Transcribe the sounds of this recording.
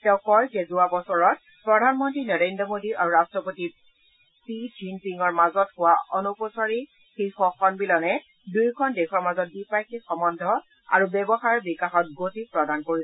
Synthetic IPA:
tɛʊ̃kɔjzɛzuabɔsɔɹɔt̚ | pɹɔdʱanmɔntɹinɔɹendɹɔmodiʔaɹuɹastɹɔpoti | pid͡ʒinpiŋɔɹmazɔthʊwaʔɔnupɔsaɹi | xexɔxʰɔnbilɔnɛ | dujkʰɔndɛkʰɔɹmazɔt̚bipajkixɔmɔndʱɔ | a̰ɹubɛbɔxaɹɹbikaxɔt̚ɡotipɹɔdankoɹiɛ

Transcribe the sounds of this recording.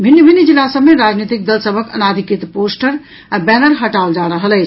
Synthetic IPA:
bʱinːəbʱinːid͡ʒilːasəbmːeɾad͡ʒnit̪ik̚d̪əlsəbʱəkə̰nad̪ʱikit̪posʈəɾ | abɛnəɾɦəʈaold͡ʒaɾəɦələɪt͡ʃʰ

